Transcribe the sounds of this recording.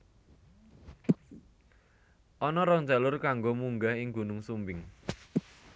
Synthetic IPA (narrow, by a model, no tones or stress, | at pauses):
ʔɔnɔɾɔŋd͡ʒalʊrkaŋɡomuŋɡaɦɪŋɡṳnʊŋsumbɪŋ